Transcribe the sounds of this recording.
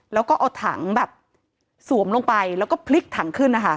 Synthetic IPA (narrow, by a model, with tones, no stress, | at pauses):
lɛː˦˥wkɔː˥˩ʔa˧˩wt̪ʰa̰˩˦ŋbɛː˨˩p̚ | su˩˦əmlo˧ŋpa˧jlɛː˦˥wkɔː˥˩pʰli˦˥k̚t̪ʰa˩˦ŋkʰɯ˥˩nːa˦˥kʰa˥˩